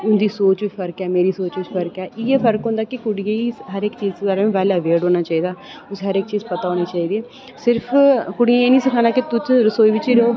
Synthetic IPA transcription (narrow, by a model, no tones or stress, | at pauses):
ʊnd̪iːsoːt͡ʃʋiːpʰəɾəkɛːmeːɾiːsoːt͡ʃʋɪt͡ʃpʰəɾəkɛːʔɪːeːpʰəɾkɦõːnd̪aːkɪkʊɽijãːiːɦəɾɪkt͡ʃiːzt̪ːd̪aːɾãːmẽːʋɛːlːəʋeːɖoːnaːt͡ʃaːiːd̪aː | ʊseɦəɾɪkt͡ʃiːzpət̪aːoːneːt͡ʃaːiːd̪eː | sɪɾpʰkʊɽɪijãːeːnĩːsɪkʰãːnaːkɪt̪ʊt͡ʃɾəsoːiːʋɪt͡ʃiːɾeoː